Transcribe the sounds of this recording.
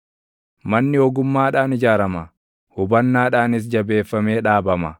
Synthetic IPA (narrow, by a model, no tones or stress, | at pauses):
mɐnːɪɔɡʊmːaːᶑaːnɪd͡ʒaːɾɐmɐ | hʊbɐnːaːᶑaːnɪs̬d͡ʒɐbe̞ːfːɐmeːᶑaːbɐmɐ